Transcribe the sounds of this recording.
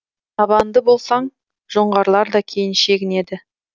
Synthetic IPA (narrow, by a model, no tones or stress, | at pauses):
t̪ʰɑbɑnd̪əbo̞lˠsɑɴ | ʒo̞ɴʁɑɾlˠɑɾd̪ɑkʲʰe̞jɪnʃe̞ɡʲɪne̞d̪ɪ